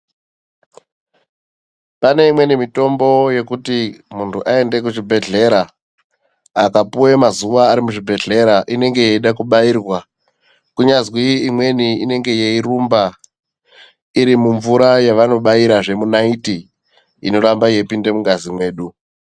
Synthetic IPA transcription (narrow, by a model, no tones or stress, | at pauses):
pane̞imwe̞nimito̞mbo̞je̞kutimuntʰuʔae̞nde̞k̬uʐibʱe̞ɮe̞ɾa | kapuwemazuʋaːɾimuʐibʱe̞ɮe̞ɾaʔine̞ŋɡe̞je̞iɗakuɓaiːrwa | kuɲazwiimwe̞niine̞ŋɡe̞je̞irumba | iɾimuɱvuɾajaʋano̞ɓaiɾaʐe̞munaiti | ḭno̞ɾambaje̞ipinde̞muŋɡazimwe̞ːɗu